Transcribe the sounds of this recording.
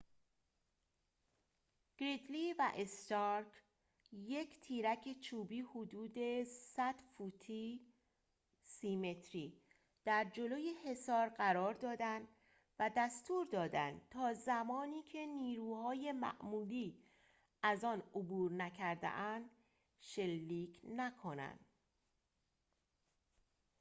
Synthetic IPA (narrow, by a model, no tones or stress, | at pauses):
ɡ̥ɾid̪livæʔest̪ɒɾk | je̞cʰt̪ʰiːɾæcʰet͡ʃʰuːbiːhod̪uːd̪e̞sæd̪̥fuːt̪ʰi | siːme̞t̪ʰɾiː | d̪̥æɾd͡ʒo̞loːjehe̞sɒːɾɢæɾɒːɾd̪ɒːd̪ænd̪ | væd̪æst̪uːɾd̪ɒːd̪ænd̪̚t̪ʰɒːzæmɒːniːkʰe̞niːɾuːhɒːje̞mæ̰ʔmuːliː | ʔæzɒːnobuːɾnæcʰæɾd̪ḛʔænd̪ | ʃelːiːcʰnækʰo̞næ̰nd̪̥